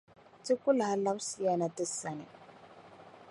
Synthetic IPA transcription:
t͡si˦ku˦lɦa˨˦la˦m˦si˨ja˨na˨tə˦sa˨nḭ˨

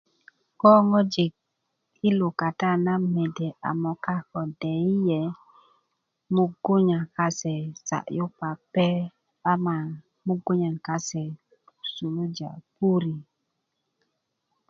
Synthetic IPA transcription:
kɔ˦ŋɔ˦d͡ʒi˨k̚ | i˦lu˨ka˨ta˦˨na˦mɛ˨dɛ˨ʔa̰˨mɔ˨ka˦kɔ˨dɛ˨i˦jɛ˨ | mu˦ɡo˦ɲa˨ka˦sɛ˨sa̰˨ʔju˦pa˨pɛ˦ | ba˦ma˨ | mu˦ɡu˦ɲa˨ŋka˦sɛ˨ | su˨lu˦d͡ʒa̰˨pu˦ɾi˨

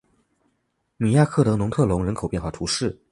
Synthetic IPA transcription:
mi˨˩ja˥˧kʰɤ˥˩t̪ɤ˧˥nʊ˧˥ŋt̪ʰɤ˥˩lʊ˧˥ŋɻə˧˥nkʰo˨˩ʊpjɛ˥˧nxwa˥˩t̪ʰu˧˥ʂɻ̩˥˩

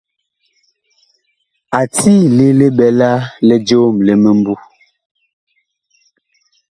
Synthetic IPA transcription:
a˨tiː˦˨le˨le˦bɛ˨la˦lɛ˨d͡ʒoː˦mlɛ˨mə˨m̩˦bu˦

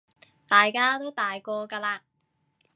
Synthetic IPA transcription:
t̪aː˨jkaː˥t̪o˥wt̪aː˨jkɔː˧kaː˧laː˧

